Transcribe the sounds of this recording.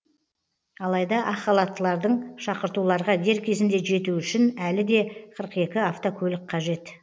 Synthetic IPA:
ɑlˠɑjd̪ɑʔɑχɑlˠɑt̪ːəlˠɑɾd̪əɴʃɑqəɾt̪ulˠɑɾʁɑɡʲe̞ɾkʲʰe̞zɪnd̪e̞ʒe̞t̪uʏʃɪnælɪd̪e̞qʰəɾəqe̞kʲɪaft̪okʲʰɵlɪk̚ʲqʰɑʒe̞t̪

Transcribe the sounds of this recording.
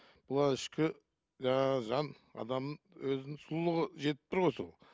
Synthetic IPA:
b̥ʊlˠɑɪʃkʲɪ | ʒɑʒɑn | ɑ̰d̪ɑmə | wɵzɪnɪŋsʊlˠlˠəʁəʒe̞t̪ɪ̥p̚t̪ɪɾʁojsolˠ

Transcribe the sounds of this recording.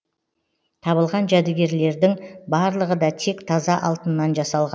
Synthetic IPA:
t̪ʰɑβəlˠʁɑnʒæd̪ɪɡʲe̞ɾle̞ɾd̪ɪŋbɑɾlˠəʁəd̪ɑt̪ʰe̞kt̪ʰɑzɑʔɑlˠt̪ənːɑnʒɑsɑlˠʁɑn

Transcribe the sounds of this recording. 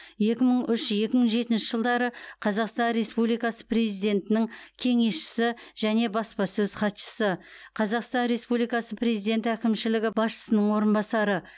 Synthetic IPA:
je̞kʲɪməɴʏʃje̞kʲɪməɴʒe̞t̪ɪnʃɪ̥ʒəlˠd̪ɑɾəqʰɑzɑqst̪ɑnɾe̞spublijkɑsə̥pre̞zijd̪e̞nt̪ɪnɪŋkʲʰe̞ŋe̞sʃɪ̥sɪʒ̥æne̞bɑspɑsɵz̥qʰɑt̪ʃə̥səqʰɑzɑqst̪ɑnɾe̞spulijkɑsəpre̞zijd̪e̞nt̪ækʲɪmʃɪlɪɡʲɪb̥ɑsʃə̥sənəɴwo̞ɾənbɑsɑɾə

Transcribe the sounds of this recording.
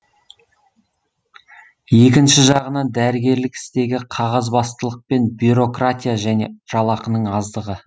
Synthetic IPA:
je̞k̬ʲɪnʃɪʒɑʁənɑnd̪æɾɪɡʲe̞ɾlɪkɪ̥st̪e̞ɡʲɪqʰɑʁɑzbɑst̪əlˠəq̚pe̞nbjuɾo̞krat̪ʲijaʒæne̞̰ʒ̥ɑlˠɑqənəɴɑzd̪əʁə

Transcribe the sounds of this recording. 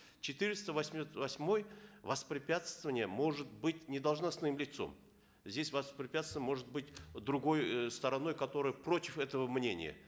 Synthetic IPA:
t͡ɕɪt̪ɨɾʲɪst̪əvɐsʲmʲt̪vɐsʲmo̞jvɐspɾʲɪpʲat̪st̪əvənʲɪjəmo̞ʐɨt̪̚bɨtʲnʲɪd̪əlˠʐnɐsnɨmlʲɪt̪so̞̰m | zʲdʲesʲvɐspɾʲɪpʲæat̪st̪vənʲmo̞ʐɨt̪̚bɨtʲd̪ɾʊɡo̞jst̪əɾɐno̞jkɐt̪o̞ɾɨjəpɾo̞tʲɪfɛt̪əvəmnʲenʲɪ̰jə̰

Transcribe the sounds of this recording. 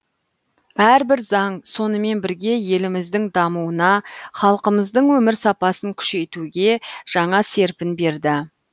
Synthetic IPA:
bæɾbɪɾzɑŋso̞nəme̞nbɪɾɡʲe̞je̞lɪmɪzd̪ɪŋd̪ɑmuwənɑχɑlˠqəməzd̪əɴwɵmɪɾsɑpɑsəŋkʲʰʏ̥ʃe̞jt̪uɡʲe̞ʒ̥ɑɴɑse̞ɾpɪnbe̞ɾd̪ɪ

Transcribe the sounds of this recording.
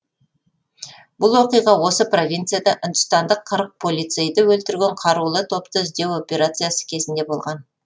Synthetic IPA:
bʊlˠwo̞qijʁɑwo̞səpro̞vʲijnt̪sɨjad̪ɑʔʏnd̪ʊst̪ɑnd̪əqʰːəɾq̚pʰo̞lijt̪se̞jd̪əwɵlt̪ɪɾɡʲeɴqʰɑɾulˠət̪ʰo̞pt̪əʒd̪e̞wo̞pʲe̞ɾat̪sɨjasə̥kʲʰe̞zɪnd̪e̞bo̞lˠʁɑn

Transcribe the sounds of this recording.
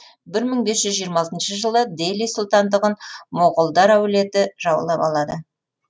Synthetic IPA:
bɪɾməɴbe̞sʒʏzʒijəɾmɑsənʃəʒəlˠəd̪elijsʊlˠt̪ɑnd̪əʁənmoʁəlˠd̪ɑɾæwle̞t̪ɪʒɑwə̰lˠɑpɑ̰lˠɑd̪ə

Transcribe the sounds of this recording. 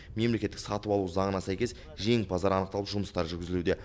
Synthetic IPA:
me̞mle̞kʲet̪ːɪ̥ksɑt̪əpɑlˠuzɑɴənɑsæjkʲe̞s | ʒe̞ŋbʰɑzɑɾɑnəqt̪ɑlˠəʒʊməst̪ɑɾʒʏɾɡʲɪzɪlud̪e̞

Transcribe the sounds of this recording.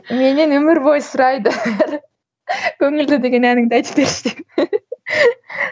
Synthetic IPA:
menɪnɵmɪɾbojsʊɾɑjd̪əɾ | kʲʰɵŋɪld̪ɪd̪eɡʲe̞nænɪŋd̪ɑjt̪ʰə̥p̚beɾɪʃt̪ɪm

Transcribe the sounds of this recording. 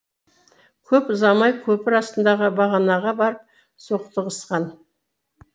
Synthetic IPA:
kʲʰɵpzɑmɑjkʲʰɵpɪɾɑst̪ənd̪ɑʁəbɑʁɑnɑʁɑbɑɾəp̚ | so̞qt̪əʁəsqɑn

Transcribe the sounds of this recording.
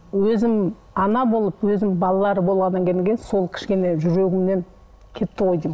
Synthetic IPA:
wɵzɪm | ɑnɑbo̞lˠəpwɵzɪmbɑlˠɑlˠɑɾəbo̞lˠʁɑnːɑŋkʲe̞j̪eŋkʲejɪnso̞lˠkʲʰɪ̥ʃkʲe̞ne̞ʒʏɾe̞ɡʲɪmne̞n | kʲʰe̞t̪ːɪqʰo̞jd̪ijm

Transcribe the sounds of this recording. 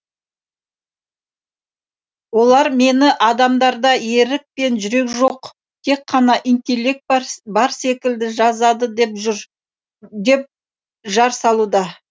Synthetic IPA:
wo̞lˠɑɾme̞nɪʔɑd̪ɑmd̪ɑɾd̪ɑje̞ɾɪk̚pe̞nʒʏɾe̞kʒo̞q | t̪ʰe̞kqʰːɑnɑʔijnt̪ʲe̞lːe̞k̚t̪̚bɑɾse̞kʲɪld̪ɪʒɑzɑd̪əpʒɾ | d̪e̞p̚ | ʒɑɾsɑlˠud̪ɑ

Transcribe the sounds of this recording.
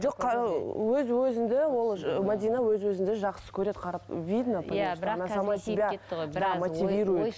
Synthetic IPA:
ʒoqqʰːɑwɵzwɵzɪnd̪ɪwo̞lˠmad̪ʲijnawɵzwɵzɪnd̪eʒɑqsə̥kʲʰɵɾe̞d̪qʰɑɾɑpvʲid̪nəp̪esnasamast̪ibʲad̪amot̪ʲivʲiɾuj

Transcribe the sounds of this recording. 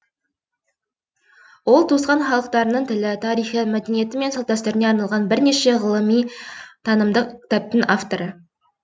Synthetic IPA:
wo̞lˠt̪ʰusqɑnχɑlˠəqt̪ɑɾənəɴt̪ʰɪlɪt̪ʰɑɾijχəmæd̪e̞nije̞t̪ɪme̞nsɑlˠp̪̚t̪ɑst̪eɾɪne̞ɑɾnɑlˠʁɑnbɪɾne̞ʃe̞ʁəlˠəmijt̪ʰɑnəmd̪əqkʲʰɪ̥t̪ap̚t̪ənaft̪o̞ɾə

